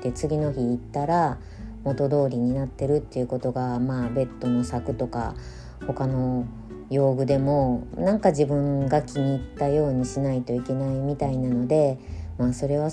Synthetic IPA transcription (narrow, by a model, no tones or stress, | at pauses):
t̪e̞t͡sɨɡʲino̞çiːt̪ːaɾa | mo̞t̪o̞d̪o̞ːɾʲiɲ̟inat̪ːe̞ɾɯ̟t̪ːe̞iɯ̟ko̞t̪o̞ɡamaːbe̞t̪ːo̞no̞sakɯ̟t̪o̞ka̰ | ho̞kano̞ | jo̞ːɡɯ̟d̪e̞mo̞nãŋkad͡ʑibɯ̟̃ŋɡakʲiɲ̟iːt̪ːajo̞ːɲ̟iɕinait̪o̞ike̞naimʲit̪ainano̞d̪e̞maːso̞ɾe̞β̞a